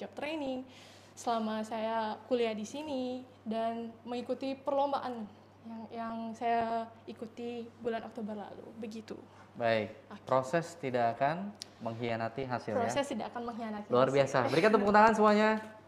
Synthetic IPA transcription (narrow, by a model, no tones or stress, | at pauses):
d͡ʒap̚t̪ɾeniŋ | səlamasajakuliadisini | danməŋikut̪ipərlombaʔan | jaŋjaŋsajaikut̪ibulanʔo̰k̚t̪obərla̰lṵbəɡit̪ṵ | baɪk̚pɾosɛst̪idakakanməŋɦianat̪iɦasɪlosɛst̪idakakanməŋɦianat̪iluarbiasabəɾikat̪upəkunt̪aŋansəmuaɲa